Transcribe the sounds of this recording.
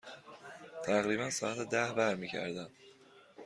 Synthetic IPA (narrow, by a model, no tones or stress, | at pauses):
t̪ʰæɣɾiːbænsɒːæt̪ʰed̪æhbæɾmiːcʰæ̰ɾd̪æm